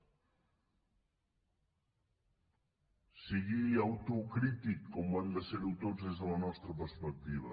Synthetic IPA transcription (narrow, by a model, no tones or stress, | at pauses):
siɣiawt̪ukɾit̪ikːomand̪eseɾut̪ozezðəlɐnɔst̪ɾɐpəɾspək̚t̪iβ̞ɐ̰